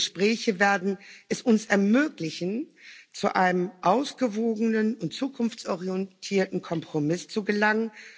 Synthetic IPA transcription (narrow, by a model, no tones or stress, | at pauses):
ʃpʁ̥ɛːçəveːɐdn̩ʔɛsʔʊnsɛɐmøːklɪçn̩t͡suʔaɪnəmʔaʊsɡ̥əvoːɡənənʊntt͡suːkʰʊnft͡sɔʁiɛntʰiːɐtn̩kʰɔmpʁ̥omɪst͡suɡəlaŋən